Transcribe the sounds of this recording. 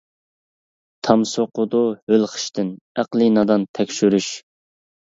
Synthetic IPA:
t̪ʰɑmsoqʊd̪ʊhølχə̥ʃt̪ɪn | æqlˠinɑd̪ɑnt̪ʰɛkʲʃyɾyʃ

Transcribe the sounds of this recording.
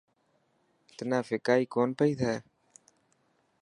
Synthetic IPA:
t̪naːfeːkaːiːkoːnpəiːt̪ʰeː

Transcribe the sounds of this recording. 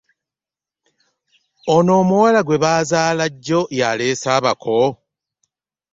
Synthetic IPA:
ono̞ːmuwalaɡwe̞βaːzaːlaɟːo̞jaleːsaːβakʰo

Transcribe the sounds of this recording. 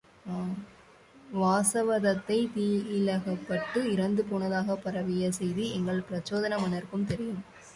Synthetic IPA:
ʋaːsɐʋɐðɐt̪ːɐɪt̪iːɪlɐɣɐpːɐʈːɯɪɾɐnd̪ɯpoːɳɐðaːɣɐpːɐɾɐʋɪjɐsɛjðiɛŋɡɐɭpɪɾɐt͡ʃːoːðɐnɐmɐnɐɾkɯmt̪ɛɾɪjɯm

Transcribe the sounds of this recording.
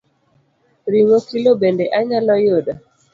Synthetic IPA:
ɾiŋokilobendeʔaɲalɔjoda

